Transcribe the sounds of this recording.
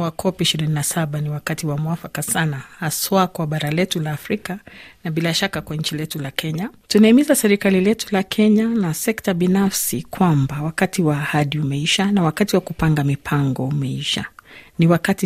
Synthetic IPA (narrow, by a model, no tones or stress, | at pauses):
wakʰɔpiʃiɾininasaɓaniwakatiwamuafakasanahaswakwaɓaɾalɛtulaːfɾikanaɓilaʃakakwaɲ̩t͡ʃilɛtulakʰɛɲatunaimizasɛɾikalilɛtulakʰɛɲanasɛktaɓinafsikwambawakatiwaːhaɗiumɛiʃanawakatiwakupaŋɡamipʰaŋɡɔumɛiʃa̰niwakati